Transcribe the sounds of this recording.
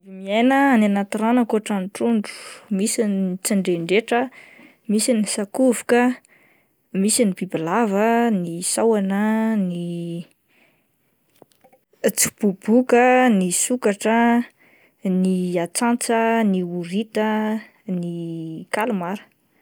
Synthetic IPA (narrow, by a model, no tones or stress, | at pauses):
vimienəananat̪iɾanəkoʈ͡ʂanʈ͡ʂuɳɖ͡ʐu̥misint͡siɳɖ͡ʐeɳɖ͡ʐeʈ͡ʂə | misinisakuvu̥kə | misinibibilavənisawanəni | t͡su̥b̥ub̥ukənisukaʈ͡ʂə | niat͡sant͡səniuɾit̪ə | nikalumaɾə̥